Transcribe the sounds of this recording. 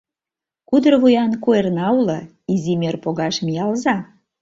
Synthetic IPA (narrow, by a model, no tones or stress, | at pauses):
kud̪ərβujɑnkuernɑulə | izimørpoɣɑʃmijɑlzɑ